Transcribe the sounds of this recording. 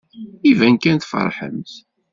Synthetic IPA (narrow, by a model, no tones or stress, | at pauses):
ivænkænθfə̰ɾˤħə̰mθ